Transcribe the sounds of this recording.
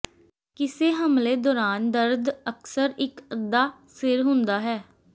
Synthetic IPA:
kɪseːɦəmleːd̪ɔːɾaːnd̪əɾd̪əksəɾɪkəd̪ːaːsɪɾɦʊ̃nd̪aːɦɛː

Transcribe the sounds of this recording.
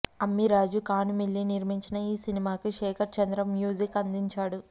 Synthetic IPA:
ɐmːiɾaːd͡ʒukaːnumilːiniɾmiɲt͡ʃinɐiːsinimaːkuʃɛːkʰɐɾt͡ʃɐnd̪ɾɐmjuːd͡ʒikɐnd̪iɲt͡ʃaːɽu

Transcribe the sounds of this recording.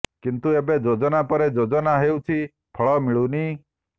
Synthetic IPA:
kint̪uebed͡ʒod͡ʒɔnapɔɾed͡ʒod͡ʒɔnaɦeut͡ʃʰi | pʰɔɭɔmiɭuni

